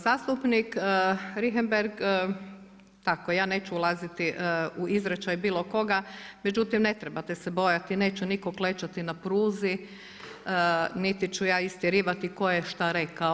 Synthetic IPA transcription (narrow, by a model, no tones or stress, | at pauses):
zaːst̪upnikəɾiɦembeɾɡ | t̪akojaːne̞ːt͡ʃuulˠazit̪iʔuizɾet͡ʃajbiːlˠo̞ko̞ɡame̞d͡ʒut̪imne̞t̪ɾebat̪esebo̞jat̪ine̞ːt͡ʃunikoklet͡ʃat̪inapɾuːzi | nit̪it͡ʃujaːist̪jeɾiːʋat̪iko̞jeʃt̪aɾe̞kao